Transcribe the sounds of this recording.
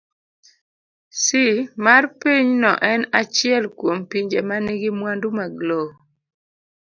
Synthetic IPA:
simarpiɲnɔʔɛnat͡ʃɪɛlkwompiɲd͡ʒemaniɡɪmwandumaɡlo

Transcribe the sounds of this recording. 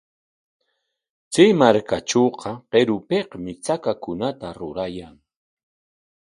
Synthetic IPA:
t͡sijmaɾkat͡ʃoːqɑqeɾʊpeqmɪt͡sakakʊnat̪aɾʊɾajaŋ

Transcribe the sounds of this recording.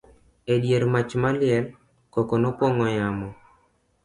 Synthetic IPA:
eɗjeɾmat͡ʃmalɪɛl | kɔkɔnɔpwɔŋɔjamɔ

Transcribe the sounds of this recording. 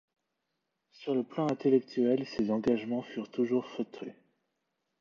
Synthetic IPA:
syʁləplɑ̃ɛ̃t̪elɛk̚t̪ʰɥɛlsezɑ̃ɡaʒmɑ̃fyʁt̪uʒuʁfət̪ʰḛ

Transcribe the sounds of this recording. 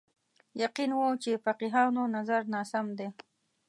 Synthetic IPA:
jaqinwot͡ʃefaqiɦɑnonazaɾnɑsamd̪e

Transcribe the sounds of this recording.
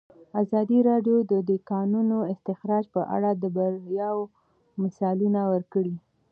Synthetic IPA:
azɑd̪iɾɑɖjod̪əd̪ekɑnunoɪst̪ɪxɾɑd͡ʒpəʔa̰ɽad̪əbaɾjɑw | mɪsɑlunawəɾkəɽi

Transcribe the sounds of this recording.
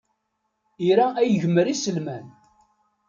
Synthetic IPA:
iɾaʔæjəʝəməɾisəlmæn

